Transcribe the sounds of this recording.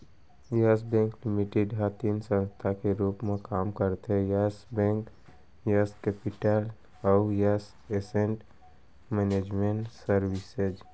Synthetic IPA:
jəsbɛ̃ːŋklɪmiʈeɖɦat̪iːnsə̃nst̪ʰakeɾuːpmẽkaːmkəɾt̪ɦɛjasbɛ̃ːŋk | jəskɛpɪʈəl | ɔʊjəs | esẽɳʈ | mɛneːd͡ʒmẽɳʈsəɾwɪsed͡ʒ

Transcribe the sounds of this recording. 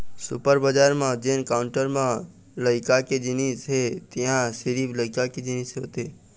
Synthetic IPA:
sʊpəɾbəd͡ʒaːɾmãd͡ʒeːnkaʊɳʈəɾmã | ləɪkaked͡ʒinisɦet̪iɦãsɪɾiːbləɪkaked͡ʒinisɦoːt̪e

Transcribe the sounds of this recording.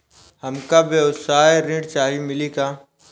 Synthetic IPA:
hɐmkabeʊsaːeɾɪ̃ːɖt͡ʃaːɦimɪlikaː

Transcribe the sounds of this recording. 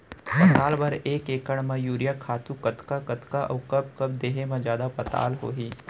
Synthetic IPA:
pɐt̪aːlbɐɾeːkeːkəɽ̃mɐ̃juːɾjakʰaːt̪ukɐt̪kakɐt̪kaʔɐ̰ːkɐb̚kɐb̚d̪eːɦemãd͡ʒjaːd̪apɐt̪a̰ːlɦo̰ːɦiː

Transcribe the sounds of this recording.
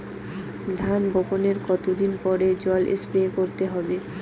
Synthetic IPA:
d̪ʱanboponeɾkɔt̪od̪inpɔɾed͡ʑɔlʔḛspekoɾt̪eɦɔbe

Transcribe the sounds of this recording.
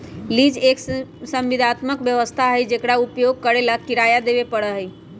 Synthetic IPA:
lid͡ʒeksəmʋid̪ʱat̪məkbjəʋəst̪ʰaɦəjd͡ʒekɽaupjoɡ̚kəɾelakkiɾajad̪eβepəɽəɦəj

